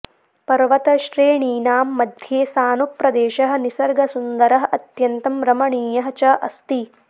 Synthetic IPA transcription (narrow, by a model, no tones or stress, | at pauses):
pɐɾʋɐt̪ɐʃɾeːɳiːnaːmːɐd̪ʱjeːsaːnupɾɐd̪eːʃɐɦɐ̆nisɐɾɡɐsund̪ɐɾɐɦɐ̆ʔɐt̪jɐnt̪ɐmɾɐmɐɳiːjɐɦɐt͡ʃɐʔɐ̰st̪i